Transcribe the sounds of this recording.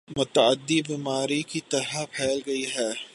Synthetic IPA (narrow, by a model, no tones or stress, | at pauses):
mʊt̪ɐəd̪ːibiːmaːɾikit̪ɐɾɐpʰɛːlɡɐiɦɛː